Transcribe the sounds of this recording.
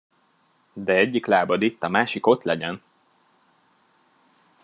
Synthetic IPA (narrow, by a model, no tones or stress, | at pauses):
d̪ɛɛɟːiklaːbɒd̪it̪ːɒmaːʃiko̞t̪lɛɟɛn